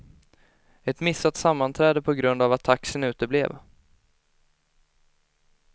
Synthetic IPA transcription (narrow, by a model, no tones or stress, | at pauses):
ɛt̪mɪsːat̪samːant̪ʰɾɛːd̪əpʰɔɡɾɵnd̪avat̪ʰːaksənʉ̟ːt̪əblḛːv